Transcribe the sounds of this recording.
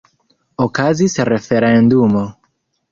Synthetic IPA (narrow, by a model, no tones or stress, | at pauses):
okazisre̞feɾendumo